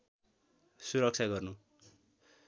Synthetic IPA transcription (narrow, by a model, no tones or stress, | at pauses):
suɾʌk̚t͡ʃʰaɡʌrnu